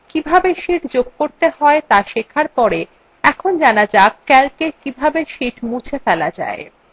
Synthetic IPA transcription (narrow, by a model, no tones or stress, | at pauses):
kibʱabeʃiʈd͡ʑoɡ̚koɾt̪eɦɔet̪aʃekʰaɾpɔɾe | ɛkʰond͡ʑanad͡ʑakːɛlkekibʱabeʃiʈmũt͡ɕʰefɛlad͡ʑa̰e